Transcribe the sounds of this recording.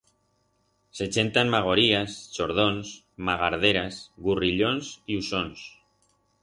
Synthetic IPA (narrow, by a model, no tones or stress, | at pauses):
se̞t͡ʃe̞nt̪anmaɣ̞o̞ɾiast͡ʃo̞ɾð̞o̞ns | maɣaɾðeɾasɣuriʎo̞nsiuso̞ns